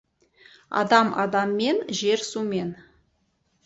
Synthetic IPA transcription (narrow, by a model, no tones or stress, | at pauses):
ɑ̰d̪ɑmɑ̰d̪ɑmːe̞nʒeɾsume̞n